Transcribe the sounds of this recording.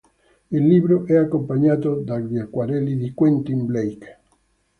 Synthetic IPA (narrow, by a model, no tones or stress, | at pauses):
elːiβɾoʔɛakompaɲat̪od̪aɡdjakwaɾɛliðikwent̪imblejk